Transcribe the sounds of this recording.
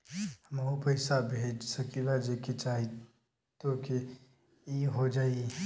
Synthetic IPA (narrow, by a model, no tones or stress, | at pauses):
həmaupəɪsabʱed͡ʒsəkilad͡ʒeket͡ʃaːɦi | t̪oki | iɦod͡ʒaːi